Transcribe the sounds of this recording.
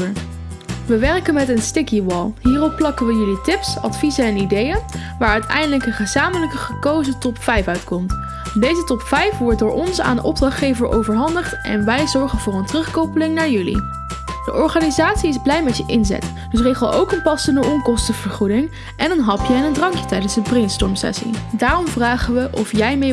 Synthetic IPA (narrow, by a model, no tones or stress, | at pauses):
əɹ | ʋəʋɛɹkənmɛtənstɪkiʋɔlˠɦiːrɔpːlɑkənʋəjʏlitɪpsɑ̰tfizəɛnidejə | ʋaːɹœɥtɛ̰jndələkənχəzaːmələkəχəkowzətɔpfɛjfœɥtkɔmt | dejzətɔpfɛjfʋɔɹt̚dʊːɹʔɔnsa̰ːndəʔɔb̚drɑχχejvəɹʔo̰wvəɹɦɑndəχtʔɛ̰nʋɛjzɔɹχənv̥ʊːɹəntrɵχkowpəlɪŋnaːɹjʉlḭ | d̥əʔɔɹχaːnizaːtsiɪzblɛjmɛtjəʔɪnzɛ̰t | d̥ɵs̬rejχəlˠowkənpɑsəndəɔŋkɔstəv̥əɹχudɪŋ | ʔɛnənɦɑpjəɛnəndrɑŋkjətɛjdənzdəprejnstɔɹmsɛ̰sḭdaːrɔmvraːχənʋəʔɔfjɛjmej